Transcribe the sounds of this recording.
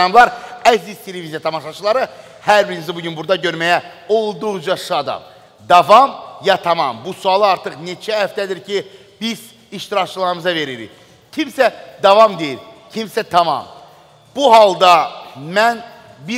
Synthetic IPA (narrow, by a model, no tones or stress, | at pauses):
ɑmlˠɑɾæsiz̥t̪ʰe̞levizijɑt̪ʰɑmɑʃɑt͡ʃʰɯlˠɑɾɯ | hæɾbiɾinizibuɟynbuɾd̪ɑɟø̞ɾmæjæ | o̞lˠd̪uʁd͡ʒɑʃɑd̪ɑ̰m | d̪ɑvɑmjɑt̪ʰɑmɑmbusuɑlˠɯɑɾt̪ʰɯχne̞t͡ʃʰæhæft̪æd̪iɾcʰi | b̥iz̥ | iʃt̪iɾɑct͡ʃʰɯlˠɑɾɯmɯzɑve̞ɾiɾḭ | cʰimsæd̪ɑvɑmd̪e̞jiɾcʰimsæt̪ʰɑmɑ̰m | b̥uɦɑlˠd̪ɑmæn | bi